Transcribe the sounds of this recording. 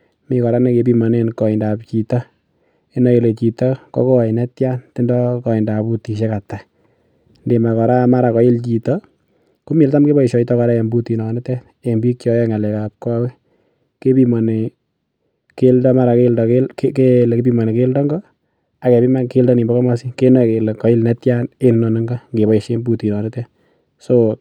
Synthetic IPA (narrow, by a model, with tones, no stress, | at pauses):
mi˨kɔ˨ɾa˦ne˦ke˨pi˦mɔ˨ne˦nkɔ˨ɪ˨nda˨pt͡ʃi˨tɔ˦ | e˦nɔ˨˦je˨le˨t͡ʃi˨tɔ˦kɔ̰˦ko˦˨ɪ˨nɛ˦tja˦nti˦ndɔ˦kɔ˨ɪ˨nda˨pu˦ti˨ʃ̬e˦ka˨ta˨ | nde˨ma˨kɔ˨ɾa˦ma˦ɾa˨kɔ˨˦jɪ˦lt͡ʃi˨tɔ | ku˦mi˨lta˦mke˦bɔ˦i˨ʃɔ˨itɔ˦kɔ˨ɾa˦je˨mbu˦ti˨nɔ˨ne˦tɛ˦t | e˨mbi˦kt͡ʃɔ˦jɛ˦ŋa˨lɛ˨kap̚kɔ˦wɛ˦ | ke˦pi˦mɔ˨ne˨ | ke˦ldɔ˦ma˦ɾa˨keldɔ˨kelkekeleke˦pi˦mɔ˨ne˨ke˦ldɔ˦ŋɡɔ˦ | a˨kɛ˨pi˦ma˦nke˦ldɔ˦ni˨mbɔ˦kɔ˦ma˦si˦ke˦nɛ˨ke˨lkɔ˨ɪ˦lnetja˦ne˦n˦nɔ˨nɪ˦ŋɡɔ˦ŋɡe˨bɔ˨i˨ʃe˦mbu˦ti˨nɔ˨nɪ˦tɛ˦t | so